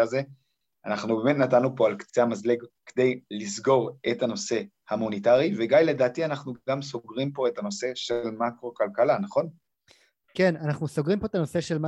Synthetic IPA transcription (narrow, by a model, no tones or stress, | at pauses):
ze | a̰naχnubeme̞tnatanːupo̞alkt͡seamazleɡked̪e̞jlisɡo̞ʁe̞tano̞se̞ | hamonitaʁiveɡajle̞daːtianaχnuɡamso̞ɡʁimpo̞e̞tano̞se̞ʃelmakʁo̞kalkalanaχo̞n | ke̞nanaχnuso̞ɡʁimpo̞et̪ano̞se̞ʃe̞lma